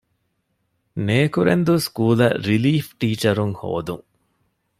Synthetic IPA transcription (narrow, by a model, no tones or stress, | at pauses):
neːkuɾḛnd̪uskuːlɐ̰ɾiliːfʈiːt͡ʃɐɾuŋho̰ːd̪uŋ